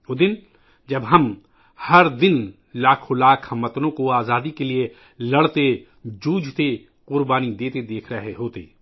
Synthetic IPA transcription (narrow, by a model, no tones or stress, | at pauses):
ʊd̪ɪn | d͡ʒɐbɦɐm | hɐɾd̪ɪn | laːkʰõlaːkʰɐmːɐt̪nõkoaːzaːd̪ikelie | lɐɽt̪e | d͡ʒuːd͡ʒʱt̪e | qʊɾbaːnid̪eːt̪ed̪eːkʰɾɐɦeɦoːt̪eː